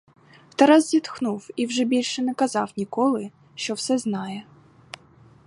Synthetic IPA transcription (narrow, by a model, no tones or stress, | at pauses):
wt̪ɛɾɑzzʲit̪xnuwiwʒɛbʲilʲʃɛnɛkɐzɑwnʲikɔlˠɪ | ʃt͡ʃɔwsɛznɑjɛ